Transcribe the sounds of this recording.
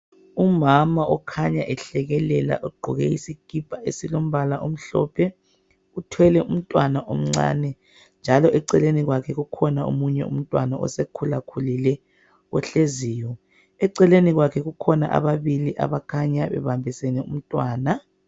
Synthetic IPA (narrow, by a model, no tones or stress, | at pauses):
umamaʔɔkʰaɲaʔɛɬɛɣɛlɛla̰ʔɔɡ͡ǃʱɔɣɛisiɡ̥ʱib̥ʱaḛsilom̩βalaʔom̩ɬɔːpʰɛ | utʰwɛlɛum̩tʼwanaʔom̩ŋ͡ǀa̰ːnɛ | nd͡ʒʱalɔʔɛǀɛleniɣwakʰɛɣukʰɔnao̰muɲɛ̰ṵm̩tʼwanaʔɔ̰sekʰulakʰulilɛ | ɣɔɬeziːjɔ | ɛǀɛleniɣwakʰɛɣukʰɔna̰ʔa̰βaβiliʔa̰βakʰaɲaβɛ̰βambʱisɛnɛṵm̩tʼwaːna